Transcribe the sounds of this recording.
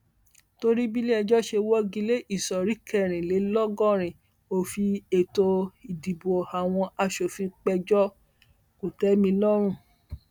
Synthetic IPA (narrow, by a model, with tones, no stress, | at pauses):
to˧ɾi˦bi˦le˦ɛ˧d͡ʒɔ˦ʃe˧wɔ˦ɡĩ˧˦le˦ʔi˦˨sɔ˨ɾi˨˦kɛ˦˨ɾ̃ĩ˨le˨˦lɔ˦ɡɔ̃˦˨ɾ̃ĩ˨ | o˧fi˧e˨to˧i˨di˨bo˨a˨w̃ɔ̃˧a˧ʃo˨fĩ˧k͡pɛ˧d͡ʒɔ˦ | ku˨tɛ˨˦mĩ˧lɔ˦ɾ̃ũ˦˨